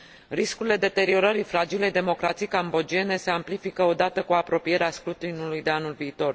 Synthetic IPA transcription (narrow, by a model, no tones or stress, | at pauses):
riskuɾile̞d̪e̞t̪e̞ɾio̞ɾəɾifɾad͡ʒilejd̪e̞mo̞kɾat̪sijkambo̞d͡ʒie̞ne̞se̞amplifikəo̞d̪at̪əkuapɾo̞pije̞ɾeaskɾut̪inulujd̪e̞anulviːt̪o̞r